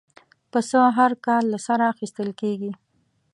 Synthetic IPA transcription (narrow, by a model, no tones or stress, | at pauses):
pəsəɦaɾkɑlːasaɾaːxist̪əlkeɡi